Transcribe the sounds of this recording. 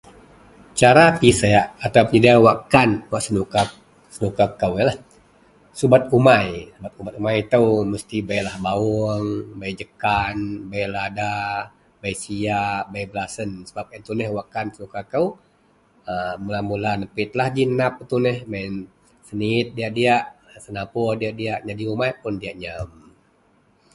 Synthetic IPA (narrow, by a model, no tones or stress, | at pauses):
t͡ʃaɾapisajaʔːt̪apəɲidiawakanwaʔsənuka | sənukakːəwjəlah | subat̪̚umajsubat̪̚ubat̪̚umajt̪əwməst̪ibajlahbauŋbajd͡ʒəkanbajlada | bajsijaʔbajbəlasənsəbap̚ɛnt̪unɛhwakansənukakəw | əməlamulanəpɪt̪̚lahd͡ʒinap̚t̪unɛhman | sənit̪̚diaʔdiaʔsənapʊrdiaʔdiaʔɲadiumajpʊndiaʔɲəm